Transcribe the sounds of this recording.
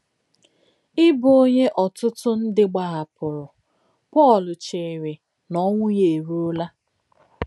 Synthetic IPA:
ɪ˦bʊ˨o˦ɲe˦ʔɔ˨tʊ˦tʊ˦n̩˦dɪ˦ɡ͡ba˨ɣa˨pʊ˨ɾʊ˨ | pɔ˦˨lʊ˨t͡ʃe˨ɾe˨ | nɔ˦ŋʷʊ˦je˨ɾu˦o˦la˦

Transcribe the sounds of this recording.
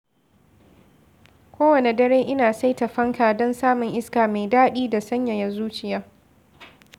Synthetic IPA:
kʷoː˦wɐ˨ne˨dɐ˦ɾeː˦ʔɪ˦naː˨sa˦jta˨ɸɐ˦ŋkaː˨dɔ˦nsaː˦mʊ˨ŋʔɪ˦skaː˨ma˨jdaː˦ɗiː˦da˨sɐ˦ɲja˨ja˨zuː˦t͡ʃɪ˨jaː˦

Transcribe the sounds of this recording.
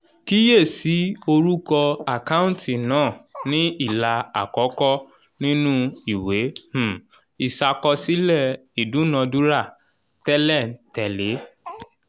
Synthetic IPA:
ki˦je˦˨si˨˦o˧ɾu˦kɔ˧a˨ka˦ũ˦tʰi˨nãː˦˨nĩ˦i˦˨la˧a̰˨kɔ˨˦kɔ˦ | nĩ˦nũ˦i˦˨we˨˦h̩˦˨ | i˨sa˧kɔ˧si˨˦lɛ˦˨i˨dũ˨˦nã˧du˦ɾa˦˨ | tɛ˦lɛ˦˨n̩˨tɛ˨le˨˦

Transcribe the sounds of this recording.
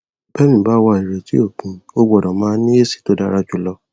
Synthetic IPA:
bɛ˦mĩ˨ba˦wa˧˨i˨ɾe˨ti˦o˦˨kũ˨˦o˦bɔ˨dɔ̃˨mãː˨˦nĩ˦e˦˨si̥˨to˦da˦ɾa˧d͡ʒu˦˨lɔ˧˦

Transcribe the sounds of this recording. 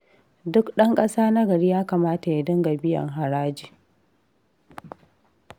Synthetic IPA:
dʊ˦kɗɐ˦ŋkʼɐ˦saː˦na˦ɡɐ˨ɽiː˦jaː˦kaː˨maː˦ta˨ja˨dɪ˦ŋɡa˨bɪ˦jɐ̰˨ŋɦa˨ɽaː˦d͡ʒiː˨

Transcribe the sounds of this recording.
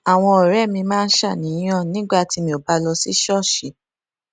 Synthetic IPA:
a˨w̃ɔ̃˧ɔ˨ɾɛ˦˨mĩ˧mãː˦˧n̩˦ʃa˦˨nĩ˨˦j̃ɔ̃˦˨nĩ˨˦ɡ͡ba˦˨ti˧mĩ˧˦o˨ba˧lɔ˧si˦ʃɔ˦˨ʃi˨˦

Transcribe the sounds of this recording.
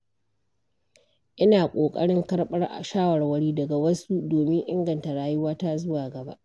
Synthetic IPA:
ʔɪ˦naː˨kʷʼoː˨kʼɐ̰˦ɽɪ˦ŋkɐ˦ɽɓɐ˦rʔa̰˨ʃaː˦wɐ˨rwɐ˦ɽiː˦dɐ˨ɡa˨wɐ˦su˦doː˨mɪ˦ŋʔɪ˦ŋɡɐ˨nta˨ɽaː˦jʊ˦waː˦ta˦zʊ˦waː˨ɡɐ˨ba̰˦ʔ

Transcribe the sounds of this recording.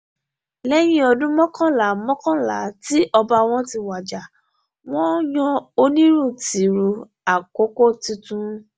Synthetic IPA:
lɛ˦j̃ĩ˦ɔ˧dũ˦mɔ̃˦kɔ̃˦˨la˨˦mɔ̃˦kɔ̃˦la˨˦ti˦ʔɔ˧ba˧w̃ɔ̃˦ti˧wa˨d͡ʒa˨ | w̃ɔ̃˦jɔ̃˦o˧˦nĩ˦ɾu˦˨ti˨˦ɾu˧ | a˨ko˦ko˦˨ti˧tũ˦

